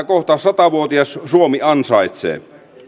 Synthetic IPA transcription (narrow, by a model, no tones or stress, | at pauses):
ækoht̪ɑsɑt̪ɑʋuot̪iɑssuomiɑnsɑit̪sḛː